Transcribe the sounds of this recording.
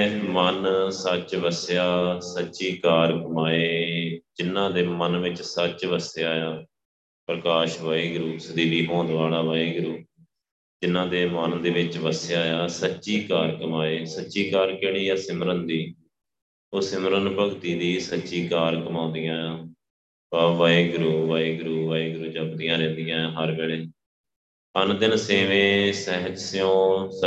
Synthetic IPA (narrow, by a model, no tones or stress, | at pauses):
mənsət͡ʃʋəsjaːsətːʃiːkaːɾkəmaːeːd͡ʒɪnːãːd̪eːmənʋɪt͡ʃsət͡ʃʋəsjaːjaː | pɾəkaːʃʋaːiːɡəɾuːsəd̪iːbiːɦõːd̪ʋaːlaːʋaːiːɡəɾuː | d͡ʒɪnːãːd̪eːmənd̪eːʋɪt͡ʃʋəsjaːjaːsətːʃiːkaːɾkəmaːeːsətːʃiːkaːɾkɪɳ̃iːjaːsɪmɾənd̪iː | oːsɪmɾənpəɡt̪iːd̪iːsətːʃiːkaːɾkəmaːnd̪ɪjãː | aːʋaːiːɡɾuːʋaːiːɡʊɾuːʋaːiːɡɾuːt͡ʃəbd̪ɪjãːɾɛ̃ːnd̪ɪjãːɦəɾbeːɽeː | ənd̪ɪnseːʋẽːsɛɦəd͡ʒsɪjõːs